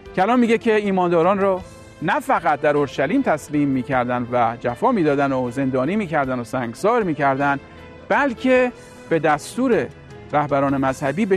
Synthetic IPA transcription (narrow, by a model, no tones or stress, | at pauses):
cælɒːnmiːɡecʰe̞iːmɒːnd̪ɒːɾɒːnrɒː | næfæɣæt̪̚ʰd̪æɾo̞ɾʃæliːmt̪ʰæsmiːmːiːcʰæɾd̪ænd̪væd͡ʒæfɒːmiːd̪ɒːd̪ænoze̞nd̪ɒːniːmiːcʰæɾd̪ænosæːŋɡsɒːɾmiːcʰæɾd̪ænd̪ | bælcʰe̞ | b̥e̞d̪æst̪uːɾe | ɾæhbæɾɒːne̞mæz̥hæbiːbe